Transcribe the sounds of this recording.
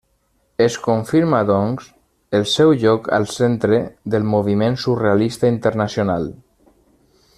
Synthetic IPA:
eskuɱfiɾmaðɔŋs | əlˠsɛwʎɔka̰lˠsent̪ɾeðəlmoβ̞imẽnsurealist̪aint̪əɾnasjonalˠ

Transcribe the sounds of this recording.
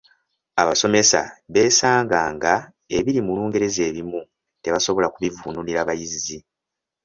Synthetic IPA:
aβaso̞me̞sa̰βe̞ːsaːŋɡaːŋɡa | e̞βiɾimuluːŋɡe̞ɾe̞ze̞ːβimu | te̞βaso̞βo̞lakuβivuːnuniɾaβajizzi

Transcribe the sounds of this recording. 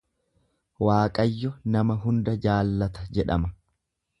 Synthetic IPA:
waːkʼɐjːɔnɐmɐɦʊnd̪ɐd͡ʒaːlːɐt̪ɐd͡ʒɛᶑɐmɐ

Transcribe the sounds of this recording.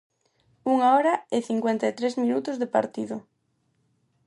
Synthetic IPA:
uŋaɔɾɐɪθiŋkwent̪aet̪ɾezmĩnut̪ʊzðepa̰ɾt̪iðʊ

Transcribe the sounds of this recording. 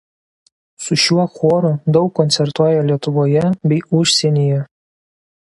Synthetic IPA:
sʊʃʲuɔxoːɾʊd̪ɒʊkːɔnʲsʲɛɾt̪uɔjɛlʲiɛt̪ʊʋoːjɛbʲɛɪʊʃʲsʲɛnʲijɛ

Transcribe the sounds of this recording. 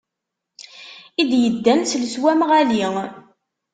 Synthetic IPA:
id̪jəd̪ːænsləswæmʁæli

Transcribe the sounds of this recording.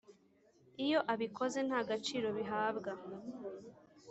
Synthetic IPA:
ijo̞ʔaβikʰo̞ze̞n̥haːɡat͡ʃiːɾo̞βiɦaːbɡa

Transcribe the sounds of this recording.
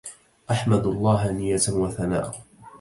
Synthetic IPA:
ʔaħmad̪ɑlˤːɑːɦanɪjːat̪waθana̰ːʔ

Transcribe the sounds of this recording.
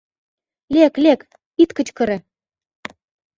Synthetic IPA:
lʲeklʲek | it̪kə̆t͡ɕkɤ̆ɾĕ

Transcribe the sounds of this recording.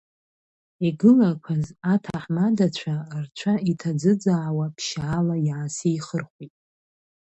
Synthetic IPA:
iɡɨlakʷʰazatʰaħmadat͡ɕʷʰart͡ɕʷʰaitʰad͡zɨd͡zaːwapʰʃaːlajʕasiːχərχʷitʼ

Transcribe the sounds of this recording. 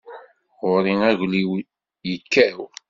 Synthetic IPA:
ʁʊɾiŋæʝliw | jəkːæw

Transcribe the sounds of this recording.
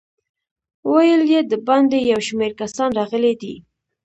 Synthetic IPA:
wajəljed̪əband̪ejawʃmeɾkasɑnɾɑɣəled̪ḭ

